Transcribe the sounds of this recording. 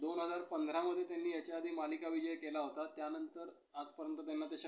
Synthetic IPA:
d̪onɦəd͡zaɾpənd̪ʱɾaməd̪ʱːjet̪janːiːjat͡ɕaːd̪ʱiːmalikaʋid͡ʑəjkelaɦot̪at̪janənt̪əɾ | ad͡zpəɾənt̪ət̪janːat̪jaɕa

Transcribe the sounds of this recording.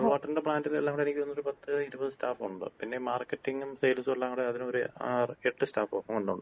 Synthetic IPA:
ʋaːʈːɐndepɭaːndilelːaːŋoɽenikʲːonːoɾupɐt̪ːɨiɾubɐðɨstaːfuɳɖɨ̰pinːe̞maːrkːɐtːiŋɡumsejlsolːaːŋoɽeɐðinoɾureʈːɨstaːfoːkːɐmuɳɖɨṵɳɖɨ

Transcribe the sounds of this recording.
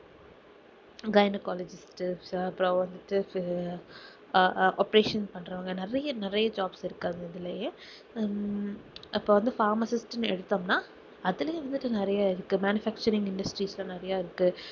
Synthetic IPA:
ɡɐjnɐkaːled͡ʒɪsʈɐpːɯɾõːʋɐnd̪ɯʈːɯ | ʔoːpɐɾeːʂɐnspɐɳːɾaŋɡɐnɪɾɐjɐnɪɾɐjɐd͡ʒaːbsɪɾɯkːaːðɯɪðɪlɐjẽː | ɪpːoːʋɐnd̪ɯfaːɾmɐsɪsʈɯnɛɽɯt̪ːaːmnaː | ɐðɪlɐjẽːʋɐnd̪ɯʈːɯnɪɾɐjaːɪɾɯkːɯmaːnɪfæːk̚t͡ʃɐɾɪ̃ŋɡɪɳɖɐsʈɾiːslãːnɪɾɐjaːɪɾɯkːɯ

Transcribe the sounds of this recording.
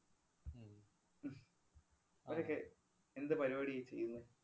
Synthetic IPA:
ɐʂokːe | end̪ɨpɐɾibaːɽijit͡ɕːejːunːɨ

